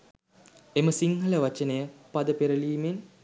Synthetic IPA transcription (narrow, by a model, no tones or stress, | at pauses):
eməsiŋɦələʋat͡ʃənejəpad̪əpeɾəliːmen